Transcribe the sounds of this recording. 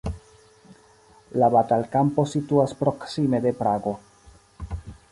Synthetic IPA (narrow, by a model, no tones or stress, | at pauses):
labatalkampo̞situaspɾo̞ksime̞d̪e̞pɾaɡo̞